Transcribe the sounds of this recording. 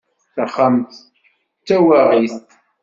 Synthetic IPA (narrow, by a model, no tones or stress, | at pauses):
θəχamt̪ | t͡sːæwæʁiθ